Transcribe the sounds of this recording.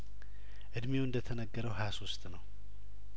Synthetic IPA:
ʔɨd̪mewɨnd̪ət̪ʰənəɡːəɾəwɦaswʊst̪nəw

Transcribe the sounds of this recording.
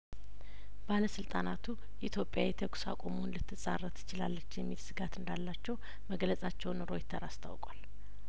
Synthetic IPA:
baləsɨlt̪ʼanat̪ʰu | ʔit̪ʰjo̞pʼjajɛt̪ʰəksa̰kʷʼomonlɨt̪ːɨsʼarːət̪ɪ̥t͡ʃɪlalːət͡ʃːjɛmːilsɨɡat̪ɨnd̪alːat͡ʃːɛw | məɡləsʼat͡ʃːɛwnɾo̞jt̪ʰəɾast̪ʰa̰wkʼal

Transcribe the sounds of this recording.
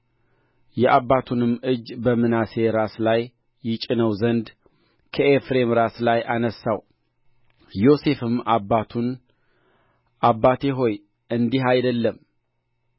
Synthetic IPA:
jɛʔaβat̪ʰunɨmːɨd͡ʒbəmɨnase̞ɾaslajː | ɪt͡ʃʼɪnəwzənd̪ | kʰəʔefɾe̞mɾaslajʔanəsːaw | jo̞se̞fɨmabat̪ʰun | ʔabːat̪ʰeɦo̞j | ʔɨnd̪iɦajd̪əlːəm

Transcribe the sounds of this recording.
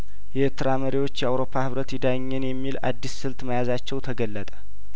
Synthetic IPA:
jɛʔɨɾt̪ʰɨɾaməɾiwo̞t͡ʃːjɛawɾo̞pʰːahɨβɾət̪jɪd̪ajɲːɛnjɛmːila̰d̪ːisːɨlt̪məjazat͡ʃːɛwt̪ʰəɡəlːət̪ʼə̥

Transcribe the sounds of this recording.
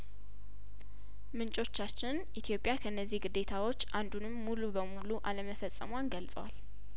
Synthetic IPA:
mɨnt͡ʃʼo̞t͡ʃːat͡ʃːɪnʔit̪ʰjo̞pʼjakʰəɨnːəzːihɡɨd̪ːe̞t̪ʰawo̞t͡ʃːʔand̪unɨmːulubəmuluʔaləməfəsʼːə̰mwanɡəlsʼə̰wa̰l

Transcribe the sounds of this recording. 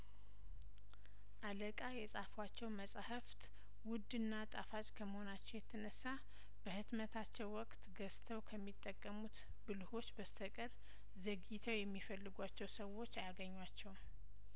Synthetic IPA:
ʔaləkʼajɛsʼafwat͡ʃːɛwməsʼhəft̪ | wʊd̪ɨnːat̪ʼafat͡ʃʼkʰəməho̞nat͡ʃːɛwjɛt̪ʰːənəsːa | b̥əhɨt̪mət̪ʰat͡ʃːɛwːɔkʼt̪ɡəst̪ʰəwkʰəmːit̪ʼːəkʼːəmut̪ | bɨlho̞t͡ʃːbəst̪ʰəkʼəɾ | zəɡit̪ʰəwjɛmːifəlːɨɡʷat͡ʃːɛwsəwo̞t͡ʃːajaɡəɲːwat͡ʃːɛw

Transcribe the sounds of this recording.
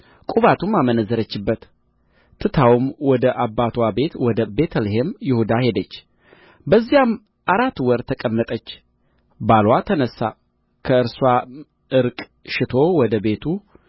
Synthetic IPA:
kʼuβat̪ʰumːamənəzːəɾət͡ʃːɪbːət̪ | t̪ʰːɨt̪ʰawmwɔd̪əʔabːat̪ʰwabe̞t̪wɔd̪əbe̞t̪ʰəlɦemjɪhud̪ahe̞d̪ət͡ʃː | bəzːijam | ʔaɾat̪ːwɔɾt̪ʰəkʼəmːət̪ʼət͡ʃː | balwat̪ʰənəsːa | kʰəɨɾswa | ɨɾkʼ | ʃɪt̪ʰo̞wɔd̪əbe̞t̪ʰu

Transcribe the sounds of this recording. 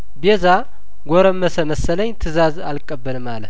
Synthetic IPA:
beza | ɡʷɔɾəmːəsəməsələɲt̪ʰɨzazalkʼəbːəlmalə

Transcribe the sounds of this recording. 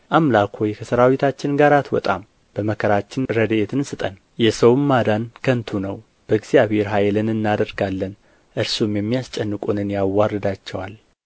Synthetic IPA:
ʔamlakʰojkʰəsəɾawit̪ʰat͡ʃːɪnɡaɾat̪wɔ̰t̪ʼa̰m | b̥əməkʰəɾat͡ʃːɪnɾəd̪əet̪ʰɨnsɨt̪ʼən | jɛsəwmːad̪ankʰənt̪ʰunəw | b̥əɨɡz̥ijaβhe̞ɾɦajlɨnɨnːad̪əɾɡalːən | ʔɨɾsumjɛmːijast͡ʃʼɛnːɨkʼunɨnjawːarːɨd̪at͡ʃːɛwal

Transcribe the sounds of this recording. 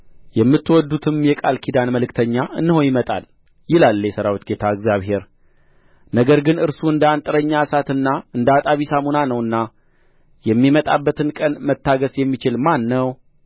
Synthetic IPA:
jɛmːɨt̪ːwɔd̪ːut̪ʰɨmjɛkʼalkʰid̪anməlɨkt̪ʰəɲːaʔɨnːɨho̞njɪmət̪ʼa̰l | jɪlalːjɛsəɾawit͡ʃ̪ɡe̞t̪ʰaɨɡzjaβhe̞ɾ | nəɡəɾɡɨnɨɾsuɨnd̪əant̪ʼɨɾəɲːasat̪ɨnːaɨnd̪əat̪ʼaβisamonanəwɨnːa | jɛmːimət̪ʼabːət̪ʰɨnkʼənmət̪ːaɡəsjɛmːit͡ʃɪlmanːəw

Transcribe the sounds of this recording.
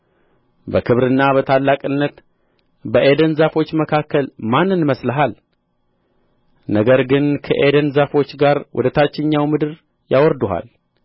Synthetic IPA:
bəkʰɨβɾɨnːabət̪ʰalːakʼɨnːət̪ | bəʔed̪ənzafo̞t͡ʃːməkʰakːəlmanːɨnməsləɦal | nəɡəɾɡɨnkʰə̰ʔed̪ənzafo̞t͡ʃːɡaɾwʔʊ̰d̪ət̪ʰat͡ʃːɪɲːawmɨd̪ɨɾ | jawɔɾd̪uɦa̰l

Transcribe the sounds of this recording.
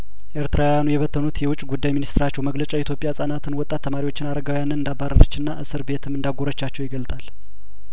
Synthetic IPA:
ʔeɾt̪ɨɾawjanujɛβət̪ʰːənut̪jɛwʊt͡ʃʼːɡud̪ːajminist̪ɨɾat͡ʃːɛwməɡlət͡ʃʼait̪jo̞pʼjasʼanat̪ʰɨnwɔt̪ʼːat̪ʰːəmaɾiwo̞t͡ʃːɪnaɾəɡawjanɨnɨnd̪abaɾə̰ɾət͡ʃːɨnːaʔɨsɨɾbe̞t̪ʰɨmɨnd̪aɡoɾət͡ʃːat͡ʃːɛwjɪɡəlt̪ʼal

